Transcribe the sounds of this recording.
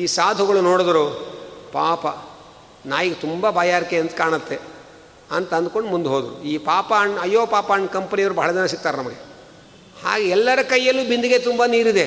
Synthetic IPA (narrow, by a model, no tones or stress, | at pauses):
iːsaːd̪ʱuɡɐɭunoːɽd̪ɐɾupaːpɐ | naːjiɡet̪umbabaːjaːɾikeɐnt̪kaːɳɐt̪ːe | ɐnt̪ɐɐnd̪̚ko̞ɳɖmund̪ɦoːd̪ɾṵiːpaːpaːɳɐjːoːpaːpaːɳkɐmpɐnijɐʋɾubɐɦɐɭɐd͡ʒɐnɐsiɡ̚t̪aːɾenɐmɐɡe | ha̰ːɡeɛlːɐɾɐkɐjːɐlːuːbind̪uɡet̪umbaniːɾid̪e